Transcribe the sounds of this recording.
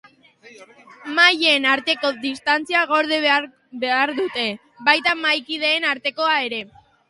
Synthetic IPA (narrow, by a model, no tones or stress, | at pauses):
majeːnaɾt̪e̞ko̞ðist̪ant͡siaɣo̞ɾð̞eβ | be̞aɾðut̪e̞ | βajt̪amajkið̞e̞ːnaɾt̪e̞ko̞ae̞ɾe̞